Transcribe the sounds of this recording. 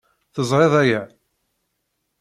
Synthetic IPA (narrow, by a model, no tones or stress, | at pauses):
θəzˤɾeðˤæjæ